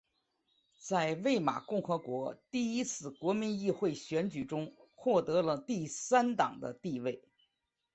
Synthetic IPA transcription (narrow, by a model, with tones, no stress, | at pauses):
t͡sa˥˧ɪwe˥˩ɪma̰˨˩kʊ˥˩ŋxɤ˧˥kwɔ˧˥t̪i˥˩i˥t͡sʰɹ̩˥˩kwɔ˧˥mi˧˥ŋi˥˧xwe˥˩ɪɕɥɛ˧˥nt͡ɕy˨˩ʈ͡ʂʊ˥ŋxwɔ˥˩t̪ɤ˧˥lə˧t̪i˥˩sa˥nt̪ɑ˨˩ŋd̪ə̰˦t̪i˥˧we˥˩ɪ